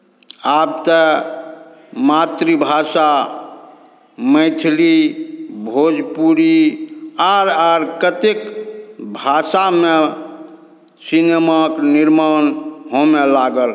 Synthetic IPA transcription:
ab̚t̪ə | mat̪ɾibʱasa | məɪt̪ʰlibʱod͡ʒpuɾi | aɾaɾkət̪ekbʱasame | sinemakniɾmanɦõmelaɡəl

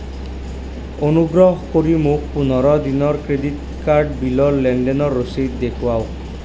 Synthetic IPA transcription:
onuɡɾɔɦɔkoɾimuk̚punɔɾɔd̪inɔɾkɾed̪it̪ | kaɾɖbilɔllɛɳɖenɔɾːosit̪d̪ekʰwaw

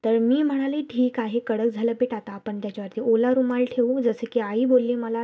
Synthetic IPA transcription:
t̪əɾmiːm̤əɽ̃aleʈʰiːkaɦekəɽəkd͡zʱaləpeʈat̪aːpəɳt̪jat͡ɕaʋaɾt̪iːʔolaɾumalʈʰeʋud͡zəsəkiaiːbolːiːməla

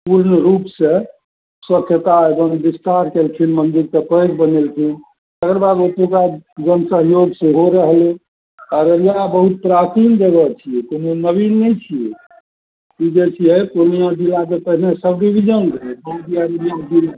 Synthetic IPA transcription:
puɾnəɾupsẽ | swəkʰjət̪aebənbist̪aɾkelt̪ʰinmənd̪iɾt̪əpəjɡbənelt̪ʰin | t̪əkɾbad̪ot̪okad͡ʒənsəɦjoɡseɦoɾəɦle | kaɾəɾjabəɦut̪̚pɾat͡ʃind̪eɡət͡ʃʰijekononəbinːɛjt͡ʃʰije | kid͡ʒesʰiɦəjkonijãd͡ʒilak̬epəɦinesəbɖibʱid͡ʒənɡəɛdod̪ijaɾiijad͡ʒil

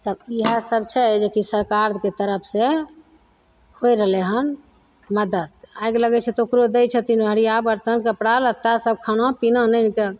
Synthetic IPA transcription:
t̪əbiɦasəb̚t͡ʃʰɛd͡ʒekisəɾkaɾket̪əɾəpʰse | hojɾəɦleɦən | məd̪əd̪̚ajɡləɡɛt͡ʃʰɛt̪ɔokɾod̪ɛjt͡ʃʰət̪inbʱəɾijabəɾt̪ənkəpɽalət̪asəb̚kʰanopinənənke

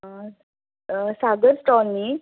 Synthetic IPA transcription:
saɡəɾsʈɔnːi

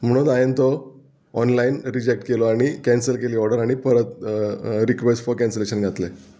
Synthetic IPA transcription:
m̤əɽ̃ũnd̪ajent̪ɔː | nlainɾid͡ʑek̚ʈkelɔaɽ̃ikæ̃nsəlkeliːɔɾɽɖəɾaɽ̃ipəɾət̪ | ɾikʋesʈfɔɾkæ̃nsleɕənɡʱat̪le

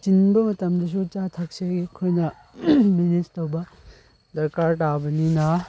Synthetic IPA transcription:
t͡ʃinbɐmɐtɐmdɐs̬ut͡ʃatʰɐk̚seɡikʰojnɐ | minittowbɐ | dɐɾkaɾtabɐninɐ

